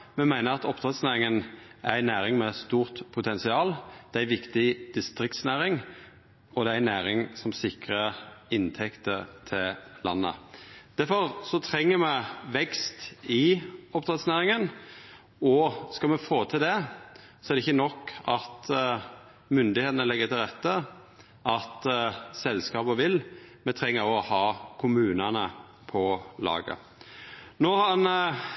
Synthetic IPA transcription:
mɛmæɪnəɾɑt̪ɔpd̪̥ɾɛt̪snæːɾɪŋən | ænæːɾɪŋmɛst̪uːʁt̪pʰʊt̪ʰɛnsɪɑːld̪̥ɛæɾʋɪkt̪ɪd̪̥ɪst̪ɾɪk̚t̪snæːɾɪŋ | ɔd̪ɛæænæːɾɪŋsɔmsɪkʁəɪnt̪ʰɛkt̪ət̪ʰɪllɑ̰nːə̰d̪̥æfɔʁsɔt̪ʰɾɛŋːəmɛʋɛkst̪ɪɔp̚d̪ʁɛt̪snæːɾɪŋən | ɔskɑmɛfoːt̪ʰɪld̪ɛ | sɔɛɾd̪ɛɪçːənɔkːɑt̪ | mʏnd̪ɪheːt̪ənəlɛɡːət̪ʰɪlɾɛt̪ːə | ʔɑt̪sɛlskɑːbəʋɪlmɛt̪ʰɾɛŋːəɾɔhɑːkʰʊmʉːnənə | pʰɔlɑ̰ːɡə̰ | noːɑɑn

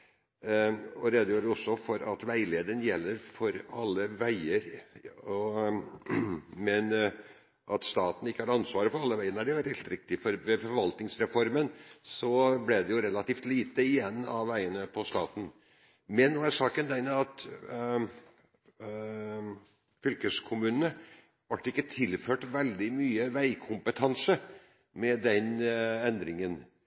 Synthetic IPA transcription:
ɔɾɛd̪əjuːɖəɔsːɔfɔɾɑt̪ʋæɪleːd̪ənjɛlːəɾfɔɾɑlːəʋæɪəɾɔ | mɛn | ʔɑt̪st̪ɑːt̪n̩ɪkːəhɑːɾɑnsʋɑːɾəfɔɾɑlːəʋæɪəɳæɖɛʋɛlːɪlt̪ɾɪk̚t̪ɪfɔɾʋɛfɔɾʋɑlt̪nɪŋsɾɛfɔɾmənsɔblɛd̪ɛjʊɾɛlɑt̪iːft̪liːt̪əɪjɛnːɑ̰ʋːæɪənəpʰɔst̪ɑːt̪n̩ | mɛnːuːæʂɑːkənd̪ɛnɑt̪ | fʏlkəskʰʊmʉːnənə | ʋɑʈːɪkːət̪ʰɪlføːʈʋɛld̪ɪmyːəʋæɪkʰʊmpət̪ʰɑnsə | mɛd̪ɛnɛnd̪ɾɪŋən

